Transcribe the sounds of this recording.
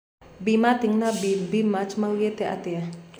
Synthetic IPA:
bimat̪iŋnabibimat͡ʃmalɡet̪eʔa̰t̪ia

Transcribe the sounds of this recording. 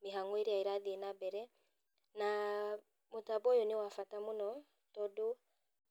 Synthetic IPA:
miɦaŋɡueɾiaiɾaðinabɛɾɛ | na | mutabɔjoniwafatamunɔ | tɔdu

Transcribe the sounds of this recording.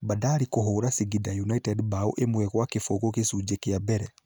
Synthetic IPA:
badaːɾikoɦoːɾasiɡidajunaitɛdbaoʔemwɛɣwakefoɣokesud͡ʒekeabɛɾɛ

